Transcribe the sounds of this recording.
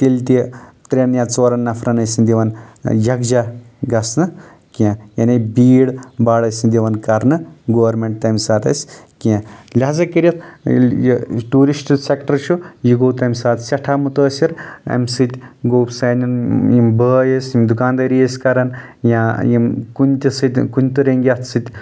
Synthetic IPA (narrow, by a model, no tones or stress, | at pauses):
t̪ilʲt̪it̪ɾʲenjãt͡soːɾɐnːɐfʰɾɐnɐsind̪ʲiʋɐnjɐɡd͡ʒaɡɐsnɨ | kijãjɐnebiːɽbaːɽɐsʲind̪ʲiʋɐnkɐɾnɨɡoːʋɐɾmeɳʈ̚t̪ɐjmsaːt̪ɐ̰sʲkijãlʲaːzɐkiɾɐt̪ʰjʈuːɾisʈsekʈɐɾʃʰujiɡoːt̪ɐmsaːt̪sʲɐʈʰaːmut̪əːsiɾɐ̰msɨt̪ʲɡoːpsɐːninjimbəːjesʲimd̪ukaːnd̪ɐɾijesʲkɐɾɐn | jãjimkunʲt̪ʲisɨt̪ʲkunʲt̪uɾeŋɡʲjɐt̪ʰsɨt̪ʲ